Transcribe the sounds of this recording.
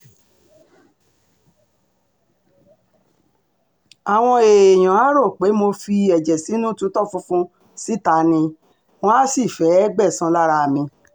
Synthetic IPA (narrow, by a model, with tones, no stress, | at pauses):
a˨w̃ɔ̃˧e˨j̃ã˨a˨˦ɾo˦˨k͡pe˨˦mo˧fi˧ɛ˨d͡ʒɛ˨si˨˦nũ˦tũ˨˦tɔ˦˨fũ˧fũ˧ | si˦ta˨˦nĩ˧ | w̃ɔ̃˦a˦si˦˨fɛ˨˦ɡ͡bɛ˦˨sã˧la˦ɾa˧˨mĩ˧